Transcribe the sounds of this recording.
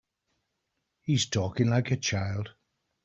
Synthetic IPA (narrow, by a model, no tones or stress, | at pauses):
hiz̥tʰɔːkɪ̃ŋlaɪkət͡ʃʰaɪlˠd̥